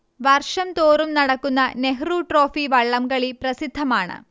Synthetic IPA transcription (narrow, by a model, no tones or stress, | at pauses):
ʋɐrʂɐmt̪oːɾumnɐɽɐkːunːɐneɦɾuːʈro̞ːfiʋɐɭːɐmɡɐɭipɾɐsid̪ʱːɐmaːɳɨ̰